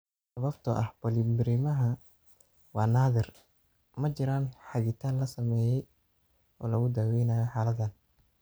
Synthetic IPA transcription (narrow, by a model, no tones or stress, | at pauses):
sɐβɐbt̪ʰɐʔɐhb̥ɔlimɪɾɪmɐɦɐ | wɑːnaːðɪr | mɐt͡ʃɪɾaːnħɑɣɪt̪ʰaːnlɐsɐmɛːjɛj | ʔɔːlɐɣʊd̪aːwɛjnaːjɔħaːlɐd̪ɐn